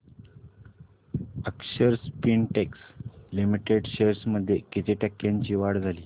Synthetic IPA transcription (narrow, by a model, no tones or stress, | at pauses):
əkɕəɾspinʈekslimiʈeɖɕeɾsməd̪ʱːjekit̪ʰeʈɛkːjãɲt͡ɕiːʋaɽd͡zʱaliː